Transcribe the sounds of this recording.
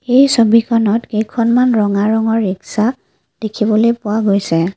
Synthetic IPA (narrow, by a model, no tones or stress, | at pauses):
ejsobikʰɔnɔtkejkʰɔnmanɹɔŋaɹɔŋɔɹːiksa | d̥ekʰibɔlojpʊwaɡojsɛ